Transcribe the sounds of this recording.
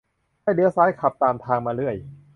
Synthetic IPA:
haː˥˩jdɯ˧˦˥əsaː˦˥jkʰa˨˩p̚t̪aː˧mt̪ʰaː˧ŋmaː˧ɾɯ˥˩əj

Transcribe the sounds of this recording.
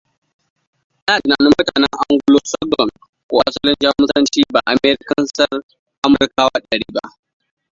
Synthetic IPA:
naː˨dnaː˨nʊ˦mʊ˦taː˨nɛ˦ŋʔa˦ŋɡʷʊ˦loː˦sɔ˦ɡɔ˨n | kʷoː˦ʔa̰˦sɐ˦lɪ˦nd͡ʒɐ˦mʊ˦sɐ˦nt͡ʃiː˦ba̰ː˨ʔa˨meː˦ɾɪ˦kɐ˦nsɐ˦r | ʔa˦mʊ˨rkaː˦wa̰˦ɗɐ˨ɽiː˦ba˦ʔ

